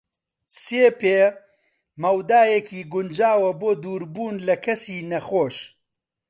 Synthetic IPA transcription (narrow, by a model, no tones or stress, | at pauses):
seːpeː | mɐwd̪aːjekʰiːɡʊnd͡ʒaːwɐboːd̪uːɾbuːnlɐkʰɐsiːnɐχoːʃ